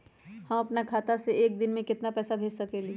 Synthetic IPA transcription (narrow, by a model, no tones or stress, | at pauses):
hɐmɐpnakʰaːt̪aseeːk̚d̪ɪnmẽkɪt̪napɛːsabʱeːd͡ʒsɐkeːli